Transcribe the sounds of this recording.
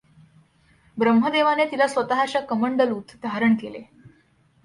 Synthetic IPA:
bɾəmɦəd̪eʋanet̪ilasʋət̪aɦat͡ɕjakəməɳɖəlut̪d̪ʱaɾəɳkelḛ

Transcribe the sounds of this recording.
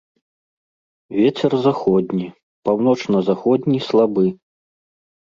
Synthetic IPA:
vʲet͡sʲɛrzaxɔd̪ʲnʲi | pawn̪ɔt͡ʂnɐzaxɔd̪ʲnʲiːslˠabɨ

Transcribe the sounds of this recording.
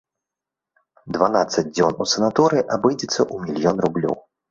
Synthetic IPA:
d̪vanat̪sːɐd͡zʲd͡zʲɔnusɛnat̪ɔɾɨʔabɨjd͡zʲɛt̪sːɐʔumʲilʲjɔnrublʲɔ̰w

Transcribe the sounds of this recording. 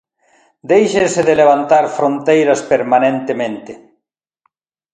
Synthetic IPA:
d̪ejʃesɪðeleβant̪aɾfɾõnt̪ejɾɐspeɾmanẽnt̪emẽnt̪ɪ

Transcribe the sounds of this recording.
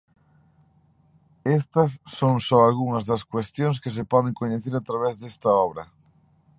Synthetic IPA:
est̪ɐsːoŋsɔalɣuŋɐzðɐskwest̪jõŋskes̬epɔðeŋkoɲeθeɾat̪ɾaβɛzðest̪ɐɔβɾɐ

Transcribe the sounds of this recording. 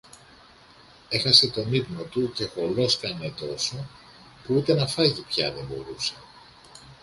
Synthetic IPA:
e̞xɐse̞t̪o̞nivnot̪uce̞xo̞lo̞skɐne̞t̪o̞so̞ | puut̪e̞nɐfɐt̪ipçɐ̰ðebo̞̰ɾuse̞̥

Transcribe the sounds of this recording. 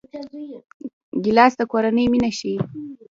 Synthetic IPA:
ɡɪlɑsd̪əkoɾanəjminaʃi

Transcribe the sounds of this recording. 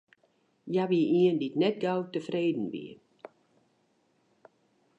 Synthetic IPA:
jaʋiəʔiənditnɛt̚ɡawtəfreːdn̩ʋḭ

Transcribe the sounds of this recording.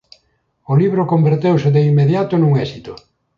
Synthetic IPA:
ʊliβ̞ɾʊkombeɾt̪ewsɪðeimːeðjat̪ʊnũŋɛsit̪ʊ

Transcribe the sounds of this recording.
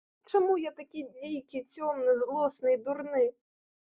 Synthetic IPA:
t͡ʂamujat̪akʲid͡zʲijkʲit͡sʲɔmnɨzlˠɔsnɨjd̪urnɨ

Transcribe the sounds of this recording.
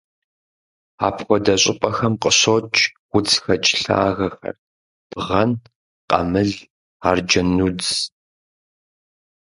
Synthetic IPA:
a̰ːpʰxʷɔdɐɕʼɪpʼɐxɐmqəɕot͡ʃʼwʷʊt͡sʰʼxɐt͡ʃʼɬa̰ːɣɐxɐ̰r | b̥ʁɐn | qʼɐ̰mɨɮ | aːrd͡ʒɐnuːd͡zz

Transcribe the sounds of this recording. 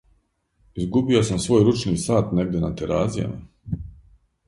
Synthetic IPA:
izɡubio̞samsʋo̞ːjɾut͡ʃniːsaːt̪ne̞ɡ̚d̪ʲjenat̪eɾaːzija̰ma̰

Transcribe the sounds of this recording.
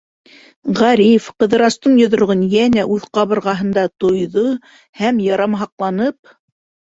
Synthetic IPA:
ʁæɾifqɤ̆ðɤ̆ɾɑst̪ɤɴjŏðŏɾʁɤnjænæʔʉðqɑβɤ̆ɾʁɑɦɤ̆nd̪ɑt̪ŏjðo | hæmjɑɾɑmɦɑqlˠɑnɤp̚

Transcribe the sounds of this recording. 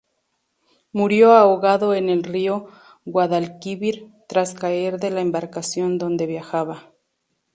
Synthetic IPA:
muɾjoaoɣaðoenelrio | ɣwaðalkiβiɾt̪ɾaskaeɾðe̞laembaɾkasjo̞nd̪o̞nd̪e̞βjaxaβa

